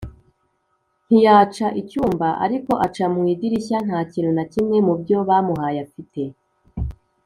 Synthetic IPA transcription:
n̥hijaːt͡ʃaʔicuːmbaʔa̰ɾiko̞ʔat͡ʃamŋwiːdiɾiçan̥haːciɾonacimŋe̞mubɟo̞βaːmuɦajafite̞

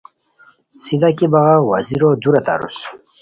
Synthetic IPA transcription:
sid̪akibaʁawa̰ziɾod̪uɾat̪a̰ɾṵs

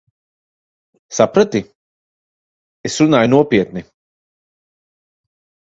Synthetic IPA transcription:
sapɾat̪i | esɾunaːjnuɔpʲiɛt̪ni

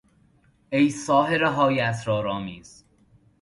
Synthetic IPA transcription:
ejsɒːɦeɾeɦɒːjæt̪ɾɒːɾɒːmiːz̥

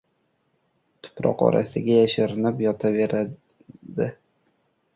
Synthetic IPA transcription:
t̪ʰʊ̥pɾɒ̰qɒ̰ɾʔa̰sɪɡʲajaʃaɾɪnɪpjɒt̪ʰaveɾa | d̪ɪ

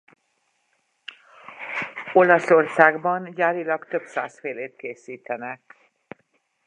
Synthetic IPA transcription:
o̞lɒso̞rsaːɡbɒnɟaːɾilɒkt̪ø̞psa̰ːsfeːleːt̪keːsiːt̪ɛnɛk

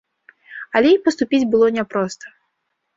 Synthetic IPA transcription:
ɐlʲɛipɐst̪upʲid͡zʲbɨlˠɔnʲɛpɾɔst̪ɐ̥

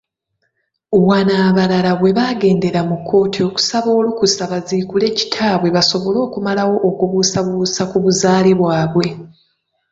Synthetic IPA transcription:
βwanaːβalalaβwe̞βaɡe̞ːnde̞ɾamukʰːo̞ːtʰio̞ku̥saβo̞ːlukusaβaziːkule̞ːci̥tʰaːβwe̞βaso̞βo̞lo̞ːkumalawo̞ʔːkuβusaβuusakuβuzaːliβwaːβwe̞

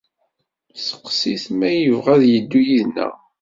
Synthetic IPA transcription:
sə̥qsiθmæjəvʁæðjəd̪ːujiðnə̰

